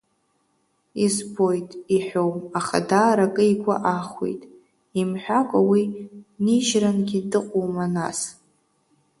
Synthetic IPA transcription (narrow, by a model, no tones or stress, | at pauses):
izbo̞jtʼiħʷᶣowmaχa̰daːɾakʼɨiɡʷa̰ʔaχʷwḛjtʼ | imħʷᶣakʷʼawiniʒranɡʲidɨqʷʼowmanas